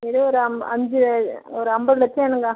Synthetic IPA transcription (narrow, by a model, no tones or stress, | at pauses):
ɛðoɔɾɯɐɐ̰ɲd͡ʒɯɔɾɯɐmbɐðlɐt͡ʃːeːnɯŋɡaː